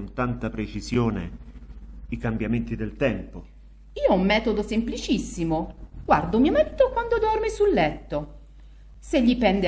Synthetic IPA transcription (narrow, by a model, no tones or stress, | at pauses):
nt̪ant̪apɾet͡ʃizjoːnḛ | ikambjament̪id̪elt̪ɛmpo | iːoɔumːɛːt̪od̪osemplit͡ʃisːimoɡ̥ward̪omiomɛt̪ːokwand̪od̪ɔrmisulːɛt̪ːo | seʎːipɛnd̪